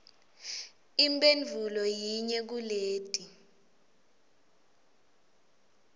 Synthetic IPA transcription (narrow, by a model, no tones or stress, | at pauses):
imbʼend͡ɮʱulɔjiɲɛk̬uleːd̥ʱʼi